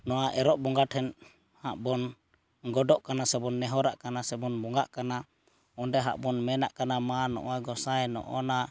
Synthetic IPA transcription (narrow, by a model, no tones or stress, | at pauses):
nɔwaʔɛɾɔʔbɔŋɡatʰhɛn | haʔbɔn | ɡɔdɔʔkanasɛbɔnːɛɦɔɾaʔkanasɛbɔnbɔŋɡaʔkana | ɔndɛɦa̰ʔbɔnmɛnaʔkanamanɔ̰ʔaɡɔsaɛnɔ̰ʔɔna